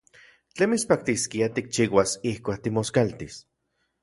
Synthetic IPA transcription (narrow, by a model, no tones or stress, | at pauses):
t͡ɬemispak̚t̪iskiat̪ik̚t͡ʃiːwasihkʷaːk̚t̪imoskalt̪is